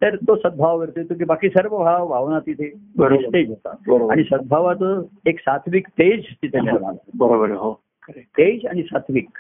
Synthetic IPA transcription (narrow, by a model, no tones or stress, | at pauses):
t̪əɾt̪osəd̪̚bʱaʋʋeɾt̪et̪uk̬ibakiːsəɾʋəʋʱaʋʋʱaʋnat̪it̪ʰebəɾoist̪ed͡ʒɦot̪a̰bəɾobaɽ̃isəd̪̚bʱaʋat̪əeksat̪ʰʋikt̪ed͡ʑt̪it̪ʰeneɾma̰la̰bəɾobəɾɦo | kəɾet̪ed͡ʒa̰ɽ̃isat̪ʰʋik